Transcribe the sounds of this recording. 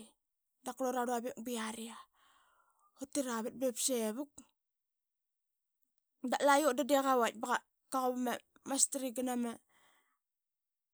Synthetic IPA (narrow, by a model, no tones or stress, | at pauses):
dakloɾaɾuaβek̚biaɾia | hotːiɾaβet̚bepseβuk̚ | daʔlajodadeɣawat̚baɣa | kaɣoβama | mastaɾiɡanama